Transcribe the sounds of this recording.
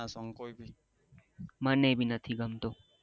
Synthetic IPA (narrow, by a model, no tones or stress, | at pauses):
asɔŋkoibʱi | mənebʱinət̪ʰiɡəmt̪o